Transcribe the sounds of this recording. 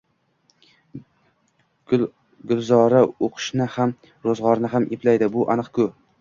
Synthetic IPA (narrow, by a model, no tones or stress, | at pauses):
ɡʊlˠzɒɾaoqʰɨ̥ʃnɪham | ɾozʁɒɾnɪɦamʔepʰlajd̪ɪbʊʔa̰nɨqkʰʊ